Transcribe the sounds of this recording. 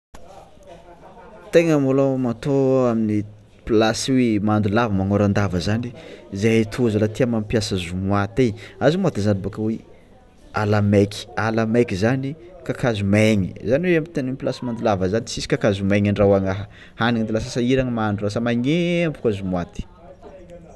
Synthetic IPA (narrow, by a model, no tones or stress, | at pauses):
t̪eŋəmolomat̪oamini | plasiwemand̪ulavəmaŋoɾand̪avəzanizeat̪ʰuzalat̪iamampjasazumuat̪eazumuat̪izanabakawe | alamekʲi̥alamekizanikakazumeɲḭzaniweamit̪enunplasimand̪ulavəzanisisi̥kakazumaɲaɳɖ͡ʐawaŋaɦə | haniŋnd̪ilas̬asaiɾaŋəmanɖ͡ʐulasəmaɲembukazumwat̪i̥